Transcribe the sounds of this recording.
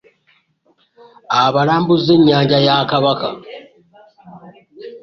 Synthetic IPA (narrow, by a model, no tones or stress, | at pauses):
aβalaːmbuze̞ɲːaːɲɟajakaβaka̰